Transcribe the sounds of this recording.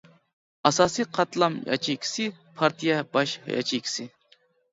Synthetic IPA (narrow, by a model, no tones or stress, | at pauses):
ɐsɑːsiqʰɑt̪lɐmjɑ̰t͡ʃʰiksipʰɑɾt̪ijabɑʃjɑ̰t͡ʃikʲsi